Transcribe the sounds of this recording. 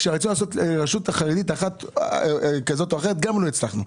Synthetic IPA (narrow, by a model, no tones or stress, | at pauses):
ʃaʁet͡sulaːso̞tʁaʃutaχaʁed̪itaχat | kazo̞t̪oaχeʁet̪ɡamloit͡slaχnu